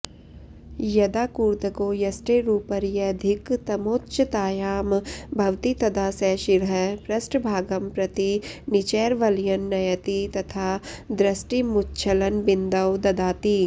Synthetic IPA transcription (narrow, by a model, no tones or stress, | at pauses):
jɐd̪aːkuːɾt̪əkoːjɐsʈeɾuːpəɾjɐɐd̪ʱɪkt̪ɐmoːtːʃt̪aːjaːmbʱɐʋt̪it̪ɐd̪aːsɛʃɪɾɦɐpɾɐsʈbʱaːɡɐmpɾɐt̪inɪt͡ʃɛːɾʋɐljɐnːɐjɐt̪it̪ɐt̪ʰaːd̪ɾɐsʈimʊtːt͡ʃʰɐlɐnbɪnd̪ɐwd̪ɐd̪aːt̪i